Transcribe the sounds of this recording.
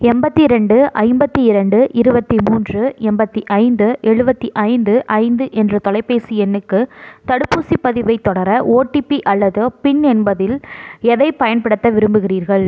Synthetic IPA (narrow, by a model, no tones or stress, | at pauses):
ɛmbɐt̪ːiɪɾɐɳɖɯʔɐɪmbɐt̪ːiɪɾɐɳɖɯʔɪɾɯbɐt̪ːimuːndrɯɛmbɐt̪ːiʔɐɪnd̪ɯʔɛɻɯbɐt̪ːiʔɐɪnd̪ɯʔɐɪnd̪ɯʔɛndrɐt̪ɔlɐɪpːeːsiɛnːɯkːɯt̪ɐɽɯpːuːsipːɐðɪʋɐɪt̪ːɔɽɐɾɐʔoːʈːipiʔɐlːɐðɯpɪɳɛnbɐðɪlɛðɐɪpɐjɐnpɐɽɯt̪ːɐʋɪɾɯmbɯɣɪriːɾɣɐɭ